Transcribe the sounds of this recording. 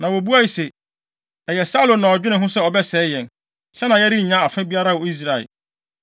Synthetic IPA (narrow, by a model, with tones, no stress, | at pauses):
nã˨wo˨bu˦a˦i˨se˨ | ɛ˨jɛ˨sa˦lõ˨nã˨ɔ˨d͡ʑᶣɪ˦nɪ̃˨ɦʊ̃˦sɛ˦˨ɔ˨bɛ˦sɛː˨˦jɛ̃˨n | ɕɛ˦nã˨jɛ˦ɾi˦˨ɲã˦a˨fɪ̃˦bi˦a˦ɾa˦wɔ˨i˦s̬ɾa˨ɪ̰˨